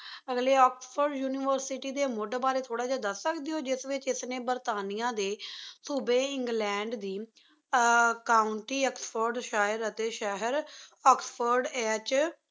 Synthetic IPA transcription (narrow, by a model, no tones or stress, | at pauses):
əɡleːɔːkspʰəɾɖjuːniʋəɾsiʈiːd̪eːmʊɖbaːɾeːt̪ʰoːɽaːd͡ʒaːd̪əsəkd̪ɪoːd͡ʒɪsʋɪt͡ʃɪsnẽːbəɾt̪aːnijãːd̪eːsuːbẽːɪ̃ŋɡlɛ̃ːɳɖd̪iː | kaːʊɳʈiːəkspʰoɾɖʃaːɪɾət̪eːʃəɦəɾɔːkspʰəɾɖɛːt͡ʃ